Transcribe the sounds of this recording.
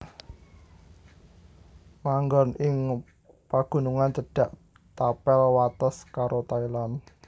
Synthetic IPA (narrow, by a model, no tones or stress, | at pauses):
maŋɡɔnɪŋ | paɡ̥ṳnuŋant͡ʃəɖ̥a̤ʔ | t̪apɛlwat̪ɔskaɾʔot̪ailan